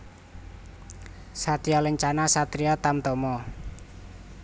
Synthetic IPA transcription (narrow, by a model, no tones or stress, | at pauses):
sat̪iɔləɲt͡ʃanasat̪ɾiɔt̪amt̪ɔmɔ